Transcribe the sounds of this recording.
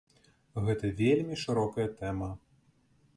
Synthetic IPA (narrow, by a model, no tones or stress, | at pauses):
ɣɛt̪ɐvʲelʲmʲiʂɨɾɔkɐjɐt̪ɛmɐ